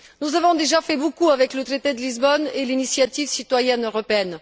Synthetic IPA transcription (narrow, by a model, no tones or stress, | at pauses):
nuzavɔ̃d̪eʒafɛbokuavɛklət̪χet̪ed̪əlizbɔnelinisjat̪ivsit̪wajɛnøʁɔpeɛn